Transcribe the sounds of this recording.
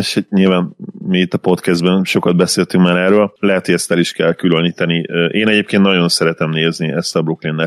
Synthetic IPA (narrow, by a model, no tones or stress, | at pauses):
eʃɲilvaːnmiːt̪ːɒpo̞t̪kɛzd̪bɛnʃo̞kɒd̪̚bɛseːlt̪yŋkmaːɾɛrøːllɛɦɛt̪hoɟɛst̪ɛliʃkɛlkyløniːt̪ɛniʔeːnɛɟeːp̚keːnt̪nɒɟo̞nsɛɾɛt̪ɛmneːzniɛst̪ɒbloklinːɛ